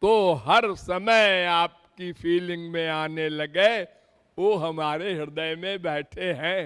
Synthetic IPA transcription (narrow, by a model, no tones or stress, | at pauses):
t̪oːɦɐɾsɐməjaːp̚kipʰiːlɪ̃ŋɡmẽaːnelɐɡe | ʋoːɦɐmaːɾeɦɪɾd̪əjmẽbɛːʈʰeɦɛ̃ː